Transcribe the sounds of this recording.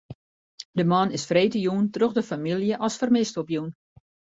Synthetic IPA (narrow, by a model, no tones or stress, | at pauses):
dəmɑnɪsfreːtəjuntroxdəfamilˠjəʔɔsfərmɪstɔpjun